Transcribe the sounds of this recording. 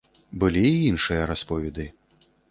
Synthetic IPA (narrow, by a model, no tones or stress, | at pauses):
bɨlʲiːinʂɨjɐɾaspɔvʲɛd̪ɨ